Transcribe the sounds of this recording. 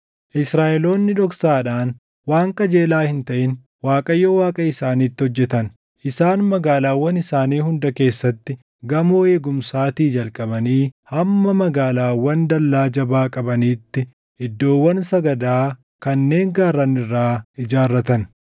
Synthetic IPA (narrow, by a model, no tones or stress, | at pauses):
ʔɪsɾaːʔɛlo̞ːnːɪᶑɔksaːᶑaːn | waːŋkʼɐd͡ʒe̞ːlaːhɪnt̪ɐʔɪn | waːkʼɐjːowaːkʼɐɪsaːniːt̪ːɪhɔd͡ʒːɛt̪ɐn | ʔɪsaːnmɐɡaːlaːwːɐnɪsaːniːhʊnd̪ɐke̞ːsːɐt̪ːɪ | ɡɐmoːe̞ːɡʊmsaːt̪iːd͡ʒɐlkʼɐbɐniːhɐmːɐmɐɡaːlaːwɐnd̪ɐlːaːd͡ʒɐbaːkʼɐbɐniːt̪ːɪ | ɪd̪ːo̞ːwːɐnsɐɡɐd̪aː | kɐnːe̞ːŋɡaːɾːɐnɪrːaːɪd͡ʒaːrːɐt̪ɐn